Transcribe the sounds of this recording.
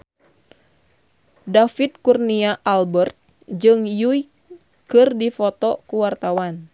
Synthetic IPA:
dafit̪̚kurniaʔalbərt̪̚ | d͡ʒɨŋjui | kɨrdifɔt̪ɔkuwart̪awan

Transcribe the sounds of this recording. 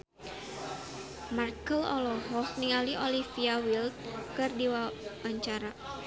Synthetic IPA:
markəlɔ̰lɔɦɔkniŋaliolifiawilt̪̚kɨrdiwawaɲt͡ʃaɾa

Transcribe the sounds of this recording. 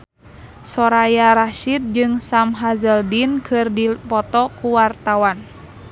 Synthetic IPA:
sɔɾajaɾaʃit̪̚d͡ʒɨŋsamɦazəldinkʰɨrdipɔt̪ɔkuwart̪awan

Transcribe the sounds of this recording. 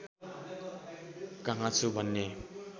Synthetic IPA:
kaŋat͡sʰubʱʌnːe

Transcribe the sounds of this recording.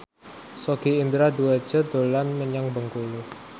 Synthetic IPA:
soɡ̥iind̪ɾad̪uad̥d͡ʒ̥ɔ̤d̪̥o̤lanməɲaŋbəŋkulu

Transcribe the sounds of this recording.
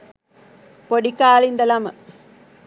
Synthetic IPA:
poɽikːaːlind̪ɐlɐm

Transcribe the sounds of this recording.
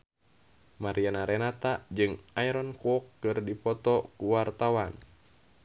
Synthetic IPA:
maɾianaɾɛnat̪ad͡ʒɨŋajɾɔnkɔkːɨrdipɔt̪ɔkuwart̪awan

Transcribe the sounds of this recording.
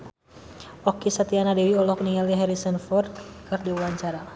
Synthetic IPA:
ɔkisat̪ianadewiɔlɔk̚niŋaljaɦɛɾisənfɔrd̪kɨrdiwaɲt͡ʃaɾa

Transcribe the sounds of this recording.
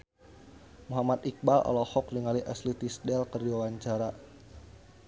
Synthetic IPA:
muɦamat̪ik̚balʔɔ̰lɔhɔk̚niŋaliʔaslit̪isdɛlkərdiwawaɲt͡ʃaɾa

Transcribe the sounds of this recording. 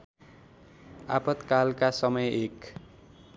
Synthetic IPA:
a̰pʌt̪kalkasʌmʌjek

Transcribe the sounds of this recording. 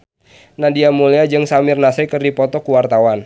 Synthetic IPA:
nadiamuliad͡ʒɨŋsamɪrnasɛkɨrdipɔt̪ɔkuwart̪awan

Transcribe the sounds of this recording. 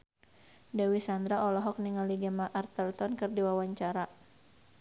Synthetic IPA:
dawisand̪ɾaʔɔlɔɦɔk̚niŋaliɡamaʔart̪əlt̪ɔnkɨrdiwawaɲt͡ʃaɾa

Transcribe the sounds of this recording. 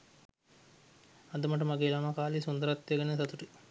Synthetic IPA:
ɐd̪ɐmɐʈɐmaɡeːlɐmakaːlisund̪ɐɾɐt̪ːjɐɡɐnesɐt̪uʈi

